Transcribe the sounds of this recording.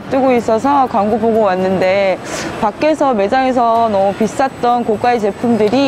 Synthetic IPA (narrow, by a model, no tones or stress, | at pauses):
t͈ɯɡois͈ʌsʰʌkwaŋɡuboɡowanːɯnde̞pak͈e̞sʰʌme̞d͡ʑaŋes̬ʰʌnʌpis͈at͈ʌnkok͈ait͡ɕe̞pʰumdɯɾi